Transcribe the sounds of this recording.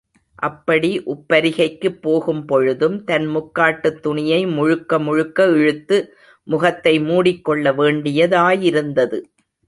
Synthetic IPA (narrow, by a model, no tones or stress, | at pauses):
ʔɐpːɐɽiʔʊpːɐɾɪɣɐɪkːɯpːoːɣɯmpɔɻɯðɯmt̪ɐnmʊkːaːʈːɯt̪ːʊɳɪjɐɪmʊɻʊkːɐmʊɻʊkːɐɛɻɯt̪ːɯ | mʊɣɐt̪ːɐɪmuːɽɪkːɔɭːɐʋeːɳɖɪjɐðaːjɪɾɯnd̪ɐðɯ